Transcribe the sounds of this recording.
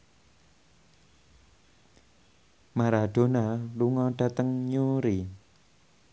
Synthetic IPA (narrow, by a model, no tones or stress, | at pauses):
maɾaɖ̪̥o̤naluŋɔɖ̥ä̤t̪əŋɲuɾi